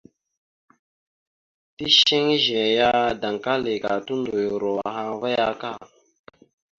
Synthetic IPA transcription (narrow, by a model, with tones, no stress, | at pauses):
ti˦ʃe˦ŋ˦ʒe˨ja˦da˨ŋka˦le˨ka˨tu˦ndo˨jo˨ɾo˨a˨hã˦va˦ja˦ka˦˨